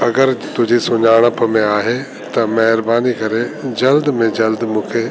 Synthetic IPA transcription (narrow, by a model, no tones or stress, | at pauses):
ɐɡəɾt̪ʊd͡ʑisʊɲaːɽ̃əpmẽaːɦe | t̪ɐmɐɦɪɾbaːnikɐɾed͡ʑɐld̪mẽd͡ʑɐld̪mũːkʰe